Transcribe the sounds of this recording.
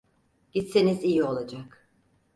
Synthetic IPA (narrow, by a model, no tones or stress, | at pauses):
ɟ̥it̪senizijio̞lˠad͡ʒak